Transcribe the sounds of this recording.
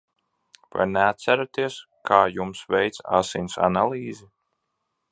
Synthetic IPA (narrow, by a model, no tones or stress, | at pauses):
va̰jnɛat̪sæɾat̪iɛs | kʰaːjumsvɛjt̪sa̰sinʲsa̰nalˠiːzi